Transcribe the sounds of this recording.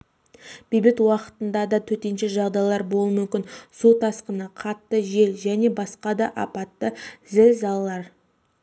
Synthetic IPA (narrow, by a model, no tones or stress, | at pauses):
b̥ejbɪt̪wɑqə̥t̪ənd̪ɑd̪ɑt̪ʰɵt̪enʃeʒɑʁd̪ɑjlˠɑɾbo̞lˠmʏmkʲɪnsut̪ʰɑsqənəqʰɑt̪ːəʒe̞lʒæne̞bɑsqɑd̪ɑʔɑpɑt̪ːəzɪlzɑlˠːɑɾ